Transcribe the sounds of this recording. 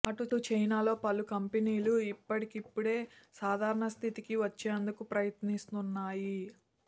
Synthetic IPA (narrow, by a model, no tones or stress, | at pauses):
ɐʈuʈut͡ʃɐjnaːlo̞ːpɐlukɐmpeniːluipːɐʈikipːuɽe̞ːsaːd̪ʱaːɾɐɳɐst̪ʰit̪ikiʋɐt͡ʃːeːnd̪ukupɾɐjɐt̪nist̪unːaːji